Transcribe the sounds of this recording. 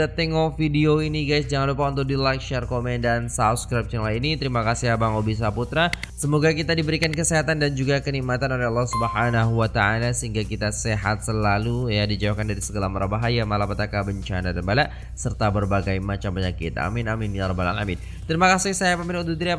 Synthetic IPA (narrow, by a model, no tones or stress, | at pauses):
at̪ɛŋɔfidioiniɡajsd͡ʒaŋanlupaunt̪̬ʊk̚dilakʃarkomɛndansafskɾap̚jaŋlaiinit̪əɾimakasiɦabaŋobis̬aput̪ɾasəmoɡakit̪adibəɾikankəseɦat̪andand͡ʒuɡakənimat̪anolɛɑlːɑhsubəɦanaɦuwat̪aalasəɦiŋɡakit̪aseɦa̰t̪̚səlalujadid͡ʒawakandaɾisəɡəlamaɾabaɦajamalapəat̪akabəɲt͡ʃanadanbalaʔ | sərt̪abərbaɡajmat͡ʃambaɲakɪt̪a̰mɪnamɪnjaɾɔbala̰ŋamɪd | t̪əɾimakasɪsajapamɪnɔd̪ud̪ɾia